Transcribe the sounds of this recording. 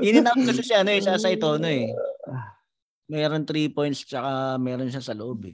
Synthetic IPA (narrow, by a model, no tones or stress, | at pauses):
ʔɪnɪnaot̪̚kɐsɪsaʔɐno̞ɛsaːsɐɪt̪o̞ɐno̞ɛ | mɛːɾo̞nt̪ɾiːpo̞jnt̪st͡ʃɐkamɛːɾonʃasɐloʔo̞bɛ